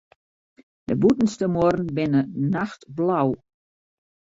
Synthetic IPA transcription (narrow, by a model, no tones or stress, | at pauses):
dəbutn̩stəmoɾn̩bɪnənaxtblaw